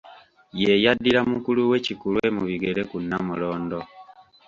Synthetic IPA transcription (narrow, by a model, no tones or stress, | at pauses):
je̞jadːiɾamukuluwe̞cikulwe̞muβiɡe̞ɾe̞kunːamulo̞ːndo̞